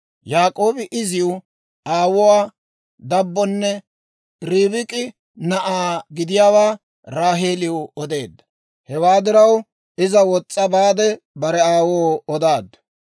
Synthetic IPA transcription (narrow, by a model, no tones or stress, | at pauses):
jaːkʼo̞ːbɪʔɪzɪʊ | ʔaːwɔwaː | d̪ɐbːɔnːɛ | ɾiːbɪkʼɪ | nɐʔaːɡɪd̪ɪjaːwaː | ɾaːɦeːlɪʊɔd̪e̞ːd̪ːɐ | hɛwaːd̪ɪɾɐw | ɪzɐwɔt͡sʼːɐbaːd̪ɛ | bɐɾɛaːwoːɔd̪aːd̪ɐ